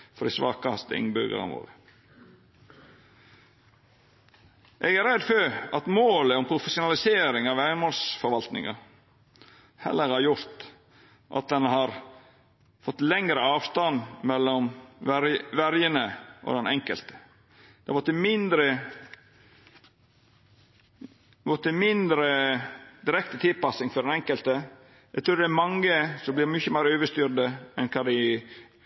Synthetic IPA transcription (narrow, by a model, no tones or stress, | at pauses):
fɔd̪ɪsʋɑ̰ːkɑɑst̪əɪ̰ŋbʏɾɡə̰ɾɑ̰nʋo̰ːɾə | ʔɛɡæɾæd̪føɑt̪moːləɔmpʰɾʊfəsʊnɑlɪseːɾɪŋɑʋæənmoːlsfɔɾʋɑlt̪nɪ̰ŋɑ̰ | hɛ̰lːəɾhɑɾjʊɾt̪ | ʔɑ̰t̪̚d̪ɛnɦɑɾ | fɔt̪ːlɛŋɾəɑːʋst̪ɑnmɛlːɔmɾʋæɾjənəʔɔ̰d̪ɛnʔɛŋkə̰lt̪ə̥ | d̪̥ɛhɑʋɔt̪ːəmɪnd̪ɾə | ʋɔt̪ːəmɪnd̪ɾəd̪ɪɾɛkt̪ət̪ʰɪlpɑsɪŋfɔɾɖɛnɛŋkəlt̪ə | ɛɡt̪ɾʉːɾd̪ɛæɾmɑŋːəsɔmblɪɾmʏçəmæɪɾøːʋəʂt̪yɾd̪əɛnkʰɑd̪ɪ